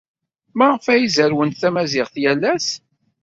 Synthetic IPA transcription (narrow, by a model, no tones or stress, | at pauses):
mæʁfæjizəɾwənt̪θæmæzɪʁθjælːæs